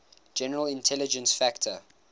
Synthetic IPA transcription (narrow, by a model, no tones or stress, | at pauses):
d͡ʒɛnəɹəlɪ̃ntʰɛlɪd͡ʒə̃nsfæktʰə